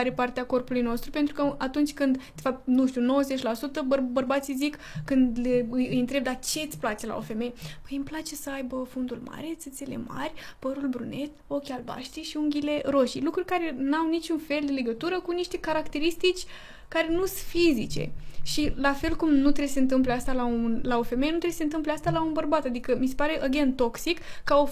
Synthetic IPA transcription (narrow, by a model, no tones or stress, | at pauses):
aɾepart̪eako̞rpulujno̞st̪ɾupent̪ɾukəʔat̪unt͡ʃʲkɨnd̪d̪̥efap̚t̪̚nuʃt̪ʲuno̞wəzet͡ʃʲlasut̪əbəbərbat̪sijzikː | ɨnd̪leɨjɨjɨnt̪ɾeb̚d̪at͡ʃe̞t̪sʲplat͡ʃela̰ofe̞mejpəjɨmplat͡ʃe̞səajbəfund̪ulma̰ɾe̞t̪sɨt̪se̞le̞̰ma̰rʲpəɾulbɾune̞t̪o̞kʲalba̰ʃt̪iʃiuŋɡʲile̞ɾo̞ʃilukɾurʲkaɾe̞nawnit͡ʃunfe̞ld̪e̞le̞ɡət̪uɾəkuniʃt̪e̞kaɾakt̪e̞ɾist̪it͡ʃʲ | kaɾe̞nusɨfizit͡ʃe̞̰ʃilafe̞lkumnut̪ɾe̞beseɨnt̪̬ɨmpleast̪alaunlaofe̞me̞jenut̪ɾeseɨnt̪ɨmpleast̪alaunbərbat̪ad̪ikəmise̞paɾe̞ʔoɡʲent̪o̞ksikːao